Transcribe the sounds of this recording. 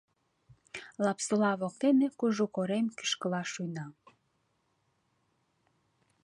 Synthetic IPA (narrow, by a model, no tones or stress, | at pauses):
lɑpsolɑβok̚t̪enekuʒukoɾemki̥ʃkəlɑʃujnɑ